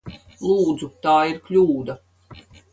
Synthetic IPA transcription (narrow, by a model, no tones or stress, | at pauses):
lˠuːd̪zut̪aːiɾklʲuːd̪a